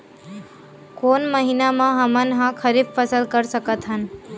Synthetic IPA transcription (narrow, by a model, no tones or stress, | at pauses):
koːnməɦinamãɦəmənɦãkʰəɾibfəsəlkəɾsəkət̪ɦən